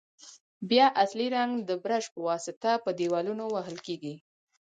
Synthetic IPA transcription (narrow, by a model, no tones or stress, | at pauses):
bjɑʔasliɾaŋɡd̪əbɾaʃpəwɑsɪt̪apəd̪ewɑlunowaɦəlkeɡi